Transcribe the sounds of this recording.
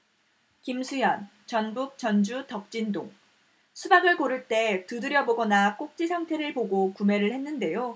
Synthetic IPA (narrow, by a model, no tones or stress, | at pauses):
kimsʰujʌn | t͡ɕʌnbuk̚t͡ɕʌnd͡ʑutʌk̚t͡ɕ͈indoŋ | sʰubaɡɯɭkoɾɯɭt͈e̞tudɯɾjʌboɡʌnak͈ok̚t͡ɕ͈isʰaŋtʰe̞ɾɯɭpoɡokume̞ɾɯɭhenːɯnde̞jo